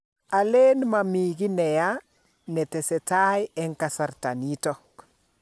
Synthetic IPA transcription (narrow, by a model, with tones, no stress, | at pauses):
a˨le˦nma˨miɡi˦nɛ˨ja | nɛ˨tɛ˨sɛ˨ta˦jɛ˦ŋka˨sa˨ɾta˨ni˦tɔ˦k